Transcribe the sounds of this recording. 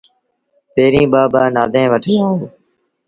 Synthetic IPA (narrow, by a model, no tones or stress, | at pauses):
peːɾĩːɓaːbaːnaːd̪ʱẽːʋəʈʰəãːɦoː